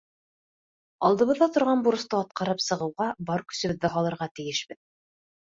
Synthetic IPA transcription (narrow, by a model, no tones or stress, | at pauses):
ɑlˠd̪ɤ̆βɤ̆ðːɑt̪ŏɾʁɑnbuɾɤ̆st̪ɤɑt̪̚qɑɾɤpsɤ̆ʁɤ̆wʁɑbɑɾkɵ̥̆sɘ̆βɘðːɘɦɑlˠɤ̆ɾʁɑt̪ɘ̆jɘʃbɘð